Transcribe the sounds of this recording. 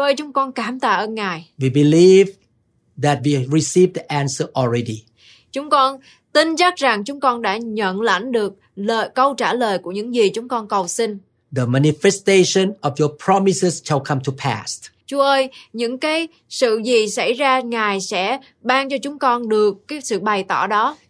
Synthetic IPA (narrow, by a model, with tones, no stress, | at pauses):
ʔəː˧jt͡ɕʊ˨˦ŋ͡mkɔ˧nkaː˧˩mt̪a̰ː˧˩ʔəː˧nŋaː˨˩jwibiliv | ðæt̚wiɹisivd̪əʔæ̃nsəʔɔlɹɛdi | t͡ɕʊ˨˦ŋ͡mkɔ˧n | t̪i˧nza˦˥k̚za˨˩ŋt͡ɕʊ˨˦ŋ͡mkɔ˧nɗa̰ː˧˥ɲə̰˧˨nla̰˧˩jŋɗɨ˨˩ək̚ | ləː˨˩jkə˧wt͡ɕaː˧˩ləː˨˩jku˧˩əɲɨ̰˧˥ŋzi˨˩t͡ɕʊ˨˦ŋ͡mkɔ˧nkə˨˩wsi˧ŋ | ðəmanifɛsteʃə̃nɔvjɔpʰɹ̥ɔmisəsʃalkʰãmtʰupʰæ̰stt͡ɕu˨˧˦əʔəː˧jɲɨ̰˧˥ŋkaː˨˦j | sɨ̰˧˨zi˨˩sa˧˩jzaː˧ŋaː˨˩jsɛ̰˧˥ | ɓaː˧ŋt͡ɕɔ˧t͡ɕʊ˨˦ŋ͡mkɔ˧nɗɨ˨˩əkːaː˨˦jsɨ̰˧˨ɓa˨˩jt̪ɔ˧˩ɗɔ˨˦